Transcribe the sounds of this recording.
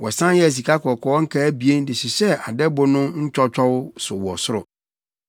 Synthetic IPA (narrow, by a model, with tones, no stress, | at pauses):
wɔ˨sã˦jɛ˦æ˨s̬i˨kʰa˦kʰɔ˨kʰɔ˨˦ɔ˦ŋ̩˦kʰa˨˦bi˨e˦ndɪ˨sɪ˨sɛ˦a̰˨dɛ˦bʊ˨nʊ̃˦ɲ̩˦t͡ʃᶣɔ˦t͡ʃʰᶣɔ˦wʊ˦sʊ˨wɔ˨sʊ˦ɾʊ˨